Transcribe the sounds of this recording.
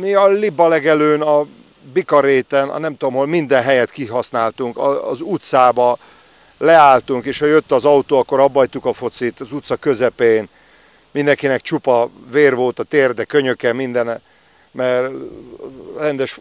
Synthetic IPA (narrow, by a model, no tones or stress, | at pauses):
miɒlibɒlɛɡɛløːnɒ | bikɒɾeːt̪ɛnɒ̰nɛmt̪uomɦolmind̪ɛnɦɛjɛt̪kiɦɒsnaːlt̪uŋkɒːzut̪saːbɒ | lɛaːlt̪uŋkeːʃhɒjøt̪ːɒzɒut̪oːɒkːoɾɒbːɒjt̪ukɒfo̞t̪sit̪ɒzut̪sɒkø̞zɛpeːn | mind̪ɛŋkinɛkt͡ʃupɒveːrvo̞lt̪ɒt̪eːrd̪ɛkøɲøkɛmind̪ɛn | mɛr | rɛnd̪ɛʃ